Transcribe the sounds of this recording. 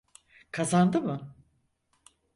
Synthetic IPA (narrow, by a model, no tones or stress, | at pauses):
kʰazand̪ɯmɯ